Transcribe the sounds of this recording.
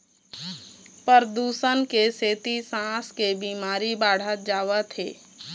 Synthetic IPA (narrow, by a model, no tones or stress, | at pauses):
pəɾd̪uːsənkeseːt̪isãːskebiːmaːɾibaːɽ̤ət̪̚d͡ʒaːwat̪ʰḛː